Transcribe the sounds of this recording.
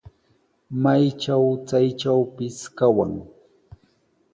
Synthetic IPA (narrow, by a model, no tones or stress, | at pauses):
majt͡ʃawt͡sajʈ͡ʂawpɪskawa̰ŋ